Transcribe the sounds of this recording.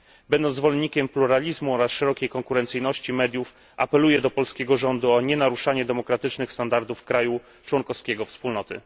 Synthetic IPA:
bɛnd̪ɔnt̪zvɔlɛnɲːikʲɛmpluɾalʲizmuɔɾasʂɛɾɔkʲejkɔŋkuɾɛnt̪sɘjnɔɕt͡ɕimɛd̪ʲjuf | a̰pɛlujɛd̪ɔpɔlskʲɛɡɔʐɔnd̪uɔɲɛnaɾuʂaɲɛd̪ɛmɔkɾat̪ɘt͡ʂnɘxst̪and̪aɾd̪ufkɾaju | t͡ʂwɔŋkɔfskʲɛɡɔfspulnɔt̪ɘ̰

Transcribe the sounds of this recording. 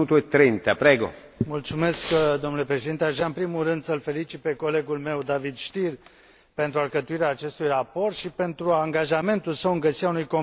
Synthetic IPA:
uːt̪uet̪ːɾint̪apɾɛːɡo̰ | mult̪sume̞skd̪omnule̞pɾeʃeint̪eaʒaɨmpɾimurɨnd̪səlfe̞lit͡ʃit̪̚pe̞ko̞le̞ɡulme̞wd̪avid̪ʃt̪ir | pe̞nt̪ɾuarkət̪uiɾeaːt͡ʃe̞st̪ujrapo̞rt̪ʃipe̞nt̪ɾuaŋɡaʒame̞nt̪ulsəwɨŋɡəsiɾeaunujko

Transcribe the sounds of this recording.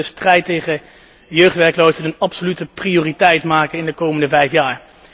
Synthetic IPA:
əstrɛjtejχə | jøɥχtʋɛɹklowsənənɑpsolytəprioːritɛjtmaːkəɪndəkowməndəvɛjfjaːɹ

